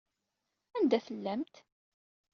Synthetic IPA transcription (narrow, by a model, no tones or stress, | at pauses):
ænd̪æθəlːæmt̪